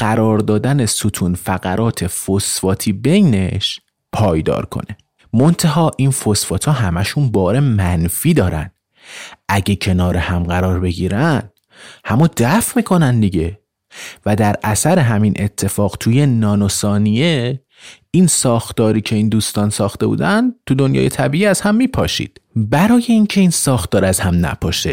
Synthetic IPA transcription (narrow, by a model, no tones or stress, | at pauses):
ɢ̥æɾɒːɾd̪ɒːd̪ænesot̪ʰuːnfæɣæɾʔɒːt̪ʰe̞fosfɒːt̪ʰiːbe̞jne̞ʃ | pʰɒːjd̪ɒ̰ːɾkʰo̞̰ne̞ | mo̞nt̪ʰæɦɒːʔinfosfɒːt̪ʰɒːɦæmæʃunbɒːɾe̞mænfiːd̪ɒːɾæ̰nd̪̥ | æɟecʰe̞nɒːɾehæmɢæɾɒːɾbe̞ɟiːɾænd̪̥ | hæmɒːd̪æfmiːkʰo̞nænd̪d̪iɟe̞ | væd̪æɾæsæɾe̞ɦæminʔe̞t̪ʰːe̞fɒːɢt̪ʰujenɒːnosɒːnije̞ | insɒːxt̪ɒːɾiːcʰe̞ind̪uːst̪ɒːnsɒːxt̪e̞bṵːd̪ænd̪t̪ʰud̪o̞njɒ̰ːje̞t̪ʰæbiːʔiːæz̥hæmːiːpʰɒːʃḭːd̪̥bæɾɒːje̞incʰe̞insɒːxt̪ɒːɾæzhæmnæ̰pʰɒːʃe